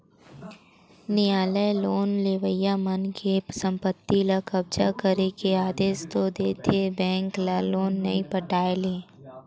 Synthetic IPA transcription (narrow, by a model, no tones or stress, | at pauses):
nɪjaːləjloːnleːʋəjamənkʰepəsə̃mpət̪ːilakɐb̚d͡ʒakəɾekeaːd̪eːst̪od̪eːt̪ʰebɛ̃ːŋklaloːnːɐ̰ĩpəʈaːeleː